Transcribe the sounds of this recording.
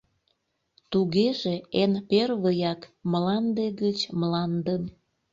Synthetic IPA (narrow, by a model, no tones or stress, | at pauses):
t̪uɣeʒeenperβəjɑkmlɑnd̪eɣət͡ɕmlɑnd̪ən